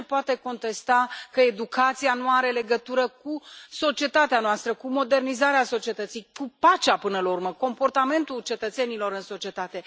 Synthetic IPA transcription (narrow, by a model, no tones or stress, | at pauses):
poat̪e̞ko̞nt̪e̞st̪akəe̞d̪ukʰat̪sianuaɾe̞le̞ɡət̪uɾəkuso̞t͡ʃie̞t̪at̪eanoast̪ɾəkumo̞d̪e̞rnizaɾeaso̞t͡ʃiet̪ət̪sijkupat͡ʃapɨnəlaurməko̞mpo̞rt̪ame̞nt̪ult͡ʃe̞t̪ət̪se̞nilo̞ɾɨnso̞t͡ʃie̞t̪at̪e̞